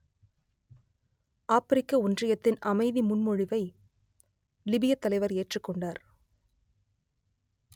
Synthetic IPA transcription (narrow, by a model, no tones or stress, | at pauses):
ʔaːpɪɾɪkːɐʊndrɪjɐt̪ːɪnɐmɐɪðimʊnmɔɻɪʋɐɪ | lɪbɪjɐt̪ːɐlɐɪʋɐɾeːʈrɯkːɔɳɖaːɾ